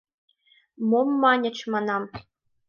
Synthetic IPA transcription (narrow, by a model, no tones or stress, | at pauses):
momːɑnʲɘ̆t͡ɕmɑnɑm